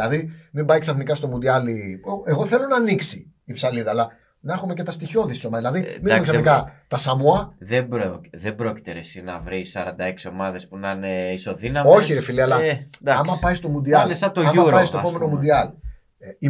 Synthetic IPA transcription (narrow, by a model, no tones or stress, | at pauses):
ɐðimimbɐjksɐθnikɐst̪o̞mund̪iɐliʔe̞ɣo̞θe̞lo̞nɐniksiː | psɐliðɐːlɐ | nɐxume̞ce̞t̪ɐst̪iço̞ðissomɐðilɐðimimeksɐniikɐt̪ɐsɐmuɐðebɾoðebɾo̞ci̥t̪eɾesinɐ̰vɾisɐɾɐnd̪ɐe̞ksio̞mɐðe̞spunɐneiso̞ðinɐmoçiɾefiliɐlɐd̪ɐɐmɐpɐjst̪o̞mund̪iɐlesɐt̪oɐɐɾpɐjst̪opome̞no̞mud̪iɐl | ei